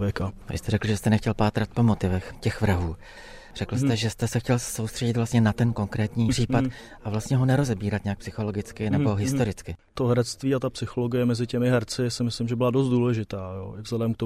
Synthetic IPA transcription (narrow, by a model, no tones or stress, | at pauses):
vɛkavɪ̰st̪ɛɾɛkl̩ʒɛst̪ɛnɛxcɛlpaːt̪ɾat̪̚po̞mo̞t̪ɪvɛxcɛxvɾaɦuː | r̥ɛkl̩st̪ɛʒɛst̪ɛsɛxcɛlso̞wst̪r̥ɛɟɪt̪vlast̪ɲɛnat̪ɛnko̞ŋkɾɛːt̪ɲiːr̥iːpat̪ | ʔavlast̪ɲɛɦo̞nɛɾo̞zɛbiːɾat̪ɲɛakpsɪxo̞lo̞ɡɪt͡skɪnɛbo̞ɦɪst̪o̞ɾɪt͡skɪt̪oɦɛɾɛt͡st̪viːat̪apsɪxoloɡɪjɛmɛzɪcɛmɪɦɛɾt͡sɪsɪmɪslɪmʒɛbɪladost̪duːlɛʒɪt̪aːjo̰ːɪvzlɛdɛmk̚t̪o